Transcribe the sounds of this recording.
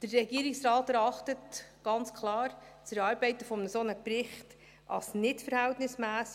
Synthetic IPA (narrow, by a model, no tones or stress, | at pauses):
d̥ərːɛɡiəɾɪksrɑːtɛɾɑχtətɡ̥ɑnt͡skʰlˠɑːɾ | t͡sɛɾɑːɾbɛɪtəfɔmnəsonəprɪχt | ʔɑ̰snɪtfəɾhæltnɪsmæːs